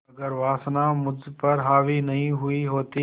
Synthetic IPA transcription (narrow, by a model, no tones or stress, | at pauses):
ɐɡəɾʋaːsnãmʊd͡ʒpɐɾɦaːʋinɐɦĩɦʊiɦoːt̪i